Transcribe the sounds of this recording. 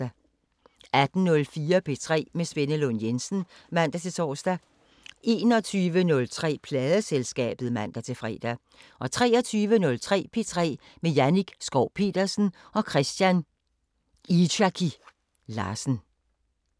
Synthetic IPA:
æ | æd̥n̩nɔ̽lfiːɐpʰe̝̰t͡sʰʁɛ̰ːmesʋenəlonjensn̩mæn̰d̥æt͡sʰe̝t͡sʰɒ̰ːsd̥æ | e̝̰ːnɒ̽t͡sʰyːʋənɔ̽lt͡sʰʁɛ̰ːpʰlɛːðˠəselsɡ̥ɛ̰ːb̥ð̞̩ˠmæn̰d̥æt͡sʰe̝fʁɛ̰ːd̥æ | ʔɒ̽t͡sʰʁɛ̰ːɒt͡sʰyːʋənɔ̽lt͡sʰʁɛ̰ːpʰe̝t͡sʰʁɛ̰ː | mejæniɡ̥sɡ̥ɒʊ̰pʰe̝̰ːd̥ɐsn̩ɒ̽kʰʁɛsd̥jæn | idækʰi | lɑ̰̈ːsn̩

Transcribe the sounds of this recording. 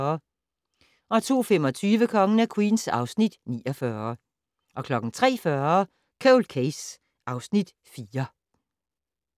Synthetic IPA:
ɐ | ʔɒ̽t͡sʰo̝̰ːfemɒ̽t͡sʰyːʋəkʰɒ̽ŋənækʰwḭːnsɑ̈ʊsnid̥nḭːɒ̽fɶːɐ | ʔɒ̽kʰlɒ̽ɡ̥n̩t͡sʰʁɛ̰ːfɶɐ | kʰɛlkʰeɪs | ʔɑ̈ʊsnid̥ | fiːɐ

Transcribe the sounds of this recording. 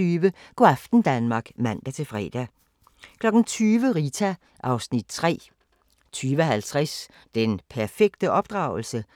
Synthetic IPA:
yːʋəɡ̥ɒæfd̥n̩d̥ænmɑ̈ɡ̥mæn̰d̥æt͡sʰe̝lfʁɛ̰ːd̥æ | kʰlɒ̽ɡ̥n̩t͡sʰyːʋəʁit͡sʰæ | ʔɑ̈ʊsnid̥̚t͡sʰʁɛ̰ː | t͡sʰyːʋəæɦælt͡sʰʁas | d̥enpʰæɐfeɡ̥̚d̥əʔɒ̽b̥d̥ʁɑ̈ʊl̩sə

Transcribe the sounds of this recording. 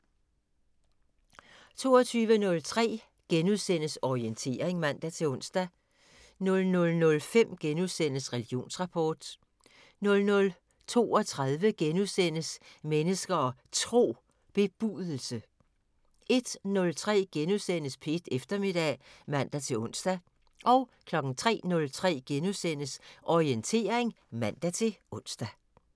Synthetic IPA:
t͡sʰo̝̰ːɒt͡sʰyːʋənɔ̽lt͡sʰʁɛ̰ː | ɡ̥enuðˠsen̰əsɒient͡sʰe̝̰ːʁeŋmæn̰d̥æt͡sʰe̝ɔ̽nsd̥æ | nɔ̽lnɔ̽lnɔ̽lfem̰ɡ̥enuðˠsen̰əsʁɛliɡ̥jo̝̰ːnsʁɑ̈pʰɒːd̥ | nɔ̽lnɔ̽l | t͡sʰo̝̰ːɒ̽t͡sʰʁaðˠʋəɡ̥enuðˠsen̰əsmenəsɡ̥ɐɒ̽t͡sʰʁo̝̰ː | b̥e̝b̥uðˠl̩sə | ʔe̝d̥nɔ̽lt͡sʰʁɛ̰ːɡ̥enuðˠsen̰əspʰed̥efd̥ɐme̝d̥ɛ̰mæn̰d̥æt͡sʰe̝ɔ̽n̰sd̥æ | ʔɒ̽ʊkʰlɒ̽ɡ̥n̩t͡sʰʁɛ̰ːnɔ̽lt͡sʰʁɛ̰ːɡ̥enusen̰əsʔɒient͡sʰe̝̰ːɐʁeŋ | mæn̰d̥æt͡sʰe̝ʔɔ̽n̰sd̥æ

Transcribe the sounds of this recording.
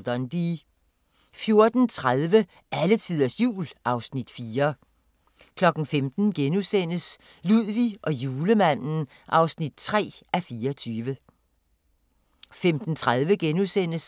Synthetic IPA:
d̥ɒnd̥i | fjo̝ɐd̥n̩t͡sʰʁaðˠʋə | ʔælət͡sʰið̰ˠɐsjṵːlʔɑ̈ʊsnid̥fiːɐ | kʰlɒ̽ɡ̥n̩femd̥n̩ɡ̥enusen̰əs | luð̰ˠʋiʔɒ̽juːləmæn̰n̩ | ʔɑ̈ʊsnid̥̚t͡sʰʁɛ̰ːʔæfiːɐt͡sʰyːʋə | femd̥n̩t͡sʰʁaðˠʋəɡ̥enusen̰əs

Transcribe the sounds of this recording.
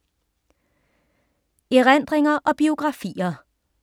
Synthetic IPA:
eʁænd̥̪ʁeŋɐʔɒ̽b̥io̝ɡ̥ʁɑ̈fḭːɐ

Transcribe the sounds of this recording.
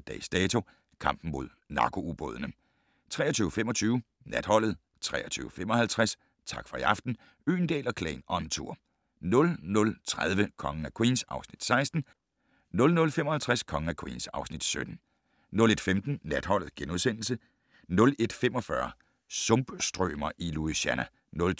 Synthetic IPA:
d̥ɛ̰sd̥ɛːt͡sʰo̝ | kʰɑ̈m̰b̥n̩mo̝ðˠnɑ̈ɡ̥ʰo̝ub̥ɔ̰ð̞ˠənə | t͡sʰʁɛ̰ːɐt͡sʰyːəfemɒ̽t͡sʰyːʊ | næd̥hɒ̽l̰ð̞̩ˠ | t͡sʰʁɛ̰ːɐt͡sʰyːʊəfem̰ɒ̽hælt͡sʰʁas | t͡sʰɑ̈ɡ̥fɒ̽iɑ̈fd̥n̩ | y̰ːnd̥ḛːlɒkʰlɛ̰ːnɒ̽nt͡sʰuɐ̰ | nɔ̽lnɔ̽lt͡sʰʁað̞ˠʋəkʰɒ̽ŋəækʰwiːnsɑ̈ʊsnid̥sɑ̈ɪsd̥n̩ | nɔ̽lnɔ̽lfemɒ̽hælt͡sʰʁaskʰɒ̽ŋəækʰwḭːnsɑ̈ʊsnid̥sød̥n̩ | nɔ̽le̝d̥femd̥n̩næd̥hɒ̽l̰ð̩ˠɡ̥enuðˠsen̰l̩sə | nɔ̽le̝d̥femɒ̽fɶɐ | sɔ̽mb̥sd̥ʁœ̰ːmɐʔiluiɕænæ | nɔl

